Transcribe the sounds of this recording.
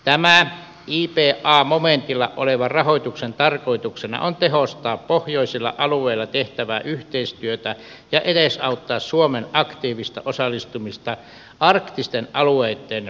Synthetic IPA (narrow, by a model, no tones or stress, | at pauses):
t̪æmæ | iːpeːʔʔɑːmoment̪ilːɑ̰ʔʔoleʋɑrɑhoˑit̪uksent̪ɑrkoit̪uksenɑ̰ʔont̪eɦost̪ɑːppohjoisilːɑ̰ʔɑluˑeilːɑt̪eht̪æʋæːʔyht̪eist̪yøt̪æ | jɑʔedesɑut̪ːɑːssuomenʔɑkt̪iːʋist̪ɑʔosɑlːˑist̪umist̪ɑ | ɑrkt̪ist̪enʔɑlueit̪ːen